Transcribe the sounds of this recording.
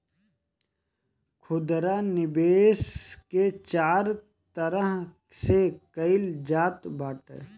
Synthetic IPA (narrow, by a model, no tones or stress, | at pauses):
kʰʊd̪ɾanɪbeːsket͡ʃaːɾ | t̪əɾəɦ | sekəɪld͡ʒaːt̪baːʈḛ